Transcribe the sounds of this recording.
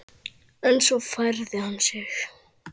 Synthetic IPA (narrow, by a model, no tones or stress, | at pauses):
ɛnsɔfaɾðɪhansɛx